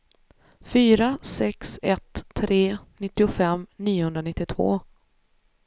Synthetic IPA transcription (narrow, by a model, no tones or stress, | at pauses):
fyːɾasɛksɛt̪ʰːɾeːnɪt̪ːɪʊfɛmːniːʊhɵnd̪ɾanɪt̪ːɪt̪ʰvo̰ː